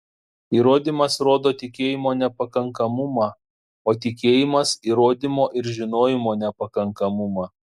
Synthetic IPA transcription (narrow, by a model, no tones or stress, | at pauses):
iːɾoːd̪ʲɪmɐsɾoːd̪oːt̪ʲɪkʲeːjɪmoːnʲɛpɐkɐŋkɐmʊmɑː | oːt̪ʲɪkʲeːjɪmɐsiːɾoːd̪ʲɪmoːʔɪɾʒʲɪnoːjɪmoːnʲɛpɐkɐŋkɐmʊmɑː